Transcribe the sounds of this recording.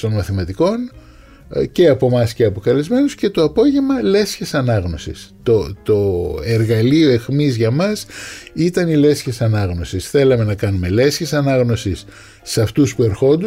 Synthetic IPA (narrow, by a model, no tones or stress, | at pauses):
t̪o̞nmɐθimɐt̪iko̞n | ce̞ɐpo̞mɐsce̞ɐpo̞kɐlizme̞nusce̞t̪o̞ɐpo̞ʝe̞mɐle̞sçesɐnɐɣno̞sḭst̪ot̪oeɾɣɐlio̞e̞xmizʝɐmɐsit̪ɐnile̞sçe̞sɐnɐɣno̞sisθe̞lɐme̞nɐkɐnume̞le̞sçesɐnɐɣno̞sisː | ɐft̪uspue̞ɾxo̞nd̪u